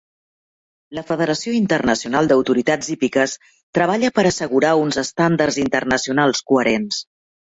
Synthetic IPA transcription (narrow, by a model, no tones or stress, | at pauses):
ləfəðəɾəsioint̪ərnəsiunalˠd̪əwt̪uɾit̪azipikəs | t̪ɾəβ̞aʎəpəɾəsəɣuɾaunzəst̪and̪ərzint̪ərnəsiunalˠskuəɾens